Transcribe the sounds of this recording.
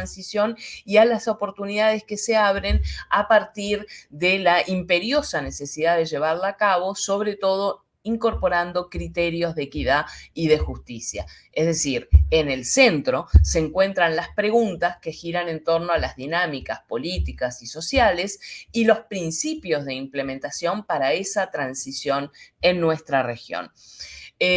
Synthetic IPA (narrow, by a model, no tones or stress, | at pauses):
ansisjo̞nialaso̞po̞ɾt̪uniðað̞eskeseaβ̞ɾenapaɾt̪iɾðelaʔimpe̞ɾjo̞sane̞sesiðaðe̞ʒe̞β̞aɾlaːkaβo̞so̞β̞ɾe̞t̪o̞ð̞o̞ | iŋko̞ɾpo̞ɾand̪o̞kɾit̪eɾjo̞zðeekiðaiðe̞xust̪isja̰ | ezðesiɾenelsent̪ɾo̞seːŋkwe̞nt̪ɾanlaspɾe̞ɣunt̪aske̞xiɾane̞nt̪o̞ɾnoalazðinamikaspo̞lit̪ikasiso̞sjale̞silo̞spɾinsipjo̞zðe̞imple̞mẽnt̪asjo̞mpaɾaesat̪ɾansisjo̞nenːwest̪ɾarexjo̰n